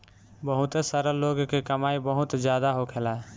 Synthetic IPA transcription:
bəɦut̪səɾəloɡkekəmaibəɦut̪d͡ʒjad̪aɦokʰelaɦ

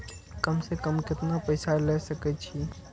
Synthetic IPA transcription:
kɐmsekɐmkɪt̪napɛjsalɛːsɐket͡ʃʰi

